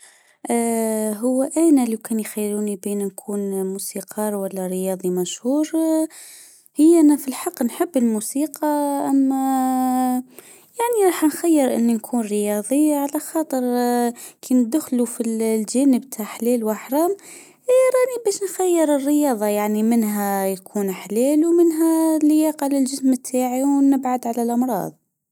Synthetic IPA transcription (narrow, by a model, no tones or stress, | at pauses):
ʔɦʊwːʔæːnælawkæːnjxæjːɾuːnibiːnnkʰuːnmusiːqʰɑːɾˤwælːæɾəjɑːðˤimæʃhuːɾ | həjːʔænæfilħɑqːnħəbːəlmusiːqɑʔæmːæ | jaʕniɾˤɑːħnxæjːəɾʔɪ̰nːinkʰuːnɾəjɑːðˤiʕalæxɑːt̪ˤəɾ | kʰind̪ʊxlufillʒæːnəbt̪ʰaʕħleːlwaħɾˤɑːm | hɾˤɑːnibæːʃnxajːɪɾərːɪjɑːðˤɑjaʕnimɪnɦæjakʰuːnħleːluwmɪnɦælɪjaːqalɪlʒɪsmt̪ʰːaːʕiwnɪbʕad̪ʕalalʔɑmɾˤɑ̰ːðˤ